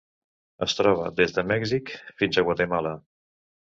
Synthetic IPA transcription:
əst̪ɾɔβ̞ə̰ðezðəmɛɡzikfinzəɣwat̪emalə

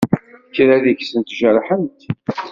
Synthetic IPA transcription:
kːɾæðiçsənt̪ʒəɾħənt̪

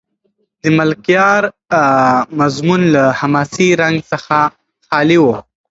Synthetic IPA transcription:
d̪əmalkjɑɾ | mazmunlahamɑsiɾaŋɡsəxa | xɑliwo

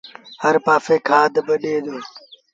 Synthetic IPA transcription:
həɾpaːfeːkʰaːd̪bəɗeːd̪oː

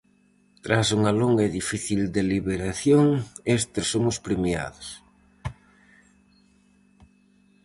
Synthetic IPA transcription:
t̪ɾasuŋɐloŋɡɐeðifiθild̪eliβeɾaθjoŋest̪ɪsomʊspɾemja̰ðos

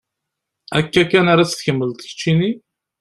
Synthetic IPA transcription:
ækːækːænaɾat͡sθçəmːəlt̪çə̥t͡ʃːini

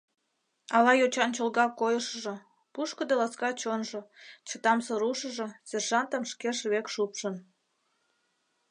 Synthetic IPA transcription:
ɑlɑjot͡ɕɑnt͡ɕolɣɑkːojəʃəʒŏ | puʃkəd̪elɑskɑt͡ɕonʒŏt͡ɕət̪ɑmsoɾuʃəʒĕserʒɑnt̪əmʃkeʃβekʃupʃən

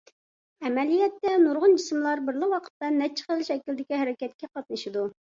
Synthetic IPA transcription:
ɛmɛlijɛt̪ːɛnuɾʁʊnd͡ʒismlˠɑɾbɪɾlˠɨwɑqʰə̥t̪ːɑnɛt͡ʃʰːχəlˠʃɛkʲild̪ɪkʲiɦæɾɛkʲɛt̪̚kʲɛqɑt̪̚nɨʃɪd̪u

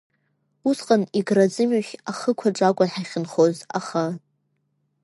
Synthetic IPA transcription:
usqʼaniɡrad͡zɨmɥaχʲaχəkʷʰaʈ͡ʂʼakʷʼʊħajχʲɪnχoza̰χa

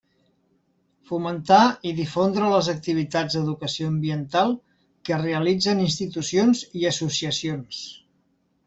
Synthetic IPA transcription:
fumənt̪aiðifond̪ɾələzək̚t̪iβ̞it̪ad͡zd̪əðukəsioəmbiənt̪alˠ | kəreəlid͡zəninst̪it̪usionziəsusiəsions

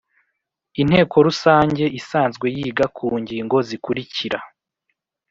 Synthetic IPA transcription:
in̥he̞ːkʰo̞ɾusaːɲɟe̞ʔisaːnzɡwe̞jiːɡakʰuːɲɟiŋɡo̞zikuɾiciɾa

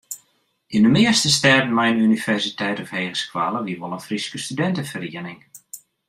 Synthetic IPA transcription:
indəmɪəstəstɛrdən̩mɛjnynivɛrsitʰɛjtɔfheːɣəskwa̰ːlˠəʋiʋɔlənfriskəstydɛntəfəriənɪŋ

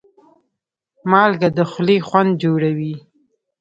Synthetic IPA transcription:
mɑlɡad̪əxlexwand̪̚d͡ʒoɽawi

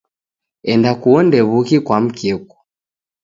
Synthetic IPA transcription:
ɛndakuɔndɛβukikwam̩kɛku̥

